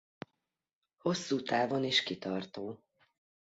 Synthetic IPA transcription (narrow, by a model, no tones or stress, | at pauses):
ho̞sːuːt̪aːvo̞niʃkit̪ɒrt̪oː